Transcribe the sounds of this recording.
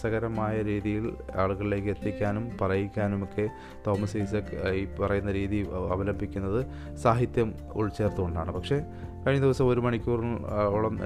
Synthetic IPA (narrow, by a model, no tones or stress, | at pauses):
sɐɣɐɾɐmaːjɐɾiːðijilaːɭuɣɐɭile̞ːkːɨet̪ːikʲːaːnumpɐrɐjikʲːaːnumokːe̞ | t̪o̞ːmɐsiːsɐkipɐrɐjunːɐɾiːðiɐ̰ʋɐlɐmbʱikʲːunːɐðɨ | saːɦit̪jɐm | ṵɻt͡ɕːe̞ːrt̪uɣoɳɖaːɳɨpɐkʂe̞ | kɐɻiɲːɐðiʋɐsɐmo̞ɾumɐɳikʲːuːriuɭɐm